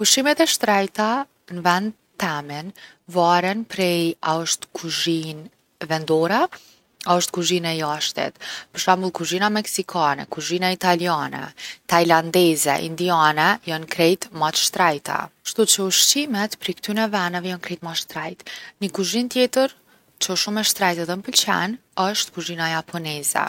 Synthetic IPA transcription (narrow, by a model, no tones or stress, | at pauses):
kuʃimɛt̪ɛʃt̪ɾɛjt̪a | nvɛnd̪ | t̪ɛmin | vaɾɛnpɾɛjaəʃt̪kʰuʒin | vɛnd̪ɔɾɛ | aəʃt̪̚kuʒinɛjaʃt̪ɛ̰t̪pəɾʃamulˠkuʒinamɛksikʰanɛ̰kuʒinait̪alianɛ̰t̪ajland̪ɛzɛ̰ʔḭnd̪ianɛjɔnkɾɛjt̪mat̪ʃt̪ɾajt̪ʰɛ̰ʃt̪ut͡ɕəuʃt͡ɕimɛt̪pɾikt̪ynɛvɛnɛvɛjɔnkɾɛjt̪maʃt̪ɾajt̪nəkuʒint̪jɛt̪əɾ | t͡ɕəɔʃumɛʃt̪ɾajt̪ɛðɛnəpəlt͡ɕɛ̰nəʃt̪kuʒinajapʰɔnɛzɛ̰